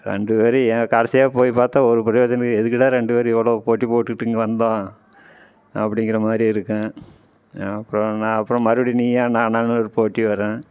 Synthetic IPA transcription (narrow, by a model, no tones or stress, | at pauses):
ɾɛ̰ɳɖɯpeːɾɯɛɡɐkɐɽɐsijaːpoːjipaːɾt̪aːɔɾɯpɪɾɐjoːd͡ʒɐnɐkːɛðɯk̬ːɪʈːaːɾɛɳɖɯpeːɾɯɛʋːɐɭoːpoːʈːipoːʈːɯkːɪʈːŋɡɐʋɐnd̪ãː | ɐpːɐɽɪŋɡɪɾɐmaːd̪ɾiɪɾɯkːɛ̃ː | ɐpːɯɾɔ̃nãːɐpːɯɾɔ̃mɐɾɯʋɐɽiniːaːnãːnaːnɯɔɾɯpoːʈːiʋɐɾẽː